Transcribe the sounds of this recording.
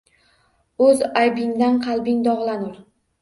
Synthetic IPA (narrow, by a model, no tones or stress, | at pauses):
ɵzajbɪŋd̪anqʰɑlˠbɪŋd̪ɒʁlˠanʊɾ